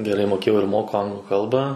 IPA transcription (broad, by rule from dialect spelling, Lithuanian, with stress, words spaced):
ɡʲɛˈrɐɪ moːˈkʲeːjɛʊ ɪr ˈmoːkʊ ˈɐŋɡlˠʊ ˈkɐlˠbɑː